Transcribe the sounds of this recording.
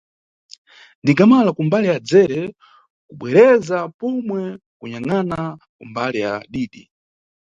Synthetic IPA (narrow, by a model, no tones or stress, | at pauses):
ndiɡamalakumbalijad͡zɛɾɛ | kuɓwɛɾɛzapɔmwɛ | kuɲaŋana | kṵmbalija̰ɗiːɗi